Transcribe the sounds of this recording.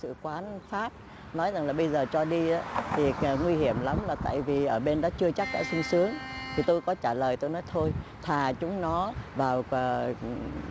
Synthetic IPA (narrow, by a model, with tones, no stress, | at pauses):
sɨ̰˧˨kwaː˨˦nfaː˦˥p̚ | nɔ˨˦jza˨˩ŋlaː˨˩ɓə˧jzəː˨˩t͡ɕɔ˧ɗi˧ʔaː˨˦t̪ʰi˨˩˨ŋwi˧ɦi˧˩əmla˨˦mlaː˨˩t̪a̰ː˧˨jvi˨˩ʔəː˧˩ɓe˧nɗɔ̰˨˦t͡ɕɨ˧ət͡ɕa˦˥k̚ɗa̰ː˧˥sɨ˧ŋsɨ˨˦əŋt̪ʰi˨˩t̪o˧jkɔ˨˦t͡ɕaː˧˩ləː˨˩jt̪o˧jnɔ˨˦jt̪ʰo˧jt̪ʰaː˨˩t͡ɕʊ˨˦ŋ͡mnɔ˨˦vaː˨˩wə˨˩